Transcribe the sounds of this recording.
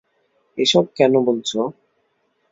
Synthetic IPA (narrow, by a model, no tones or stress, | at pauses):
eʃɔb̚kɛnobolt͡ɕʰo